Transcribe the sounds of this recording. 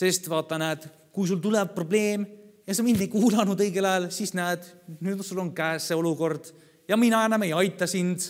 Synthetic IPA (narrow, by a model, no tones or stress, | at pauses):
se̞st̪vɑːt̪ːˑɑnæːd̪̥ | kujs̬ult̪ulɛb̚pːro̞ble̞ːmjɑsɑmind̪ejkuːlɑnud̪ɤjɡ̥e̞lɑelsisnæːd̪̥nyːd̪sulːonkæːsːeo̞luko̞rd̪̥ | jɑminɑænːɑme̞jɑjt̪ːˑɑsind̪̥